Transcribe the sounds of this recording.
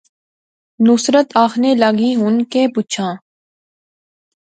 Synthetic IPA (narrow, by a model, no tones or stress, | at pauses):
nʊsɾət̪aːxneləɡiːɦʊnkẽːpuːt͡ʃʰãː